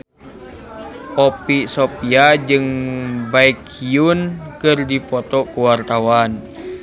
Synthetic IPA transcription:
ʔɔpisɔpiad͡ʒɨŋbaikʰiunkɨrdipɔt̪ɔkuwart̪awan

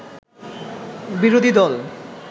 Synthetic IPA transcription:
biɾod̪ʱid̪ɔl

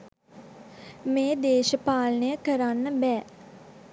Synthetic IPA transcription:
meːd̪eːʃəpaːlənəjəkəɾanːəbɛː

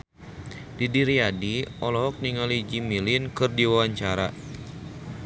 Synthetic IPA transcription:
didiɾiadiʔɔlɔɦɔk̚niŋalid͡ʒimilinkɨrdiwawaɲt͡ʃaɾa

